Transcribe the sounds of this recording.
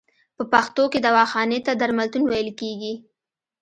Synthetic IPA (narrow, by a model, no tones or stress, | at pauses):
pəpaxt̪oked̪awɑxɑnet̪ad̪aɾmalt̪unwajəlkeɡi